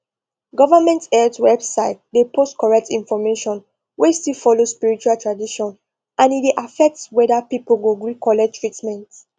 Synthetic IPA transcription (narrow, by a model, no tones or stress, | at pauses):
ɡɔvamɛ̃ntɛtwɛbsaɪt̚depʰostkɔɹɛk̚tĩnfɔmeʃɔ̃n | westilfɔlospiɹit͡ʃualtʰɹadiʃɔ̃n | ʔãnieʔafɛk̚twɛdapipolɡoɡɹikʰɔlɛtɹitmɛ̃nt